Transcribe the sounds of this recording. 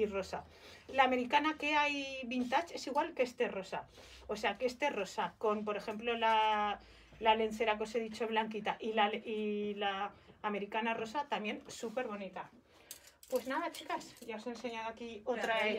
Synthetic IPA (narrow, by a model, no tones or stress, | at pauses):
iro̞sa | laːmeɾikanake̞ajβint̪at͡ʃe̞siɣ̞walkest̪ero̞sa | oseakest̪ero̞sako̞mp̬o̞ɾe̞xe̞mplo̞la | lalenθe̞ɾak̬o̞seðit͡ʃo̞βlaŋkit̪aʔilalilaːme̞ɾikanaro̞sat̪amje̞nsupe̞ɾβ̞o̞nit̪a | pwe̞znaðat͡ʃikasʝaose̞nseɲaðakiot̪ɾa